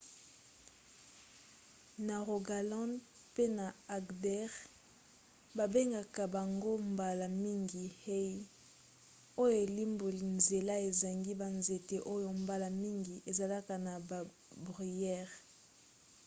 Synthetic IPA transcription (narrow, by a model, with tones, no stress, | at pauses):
na˨ʁo˨ɡa˨lɔ̃˦n | pe˦na˨a˨ɡdɛ˦ʁ | ba˨be˦ŋɡa˨ka˨ba˨ŋɡo˦mba˨la˨mi˦ŋɡi˨he˦i˦ | o˦jo˨e˨li˦mbo˨li˨nze˨la˦e˨za˨ŋɡi˦ba˨nze˨te˨ʔo˦jo˨mba˦la˨mi˦ŋɡi˨ʔe˨za˨la˦ka˨na˨ba˨ | bʁi˨jɛ˦ʁ